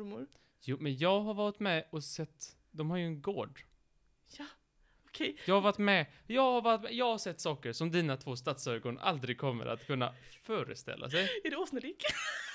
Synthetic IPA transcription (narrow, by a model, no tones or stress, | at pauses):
mʊɾ | juːmɛnjɑːɡɦaɾvɑːlt̪mɛɔsɛt̪ː | d̪ɔmhaɾjɵɛnɡoːɖ | ja | ɔkʰɛjjɑːɡhavat̪mɛ | jɑːɡhaɾvɑlt̪mɛjɑːɡhaʂɛt̪ːsɑːkəɾʂɔmd̪iːnat̪ʰvoːst̪at̪søːɡɔna̰ld̪ɾɪɡ̚kʰɔmːə̰ɾʔa̰t̪kʰɵnːa̰fœːɾə̰st̪ɛ̰lːʔa̰s̬ɛjæɖɛoːsəɾiːk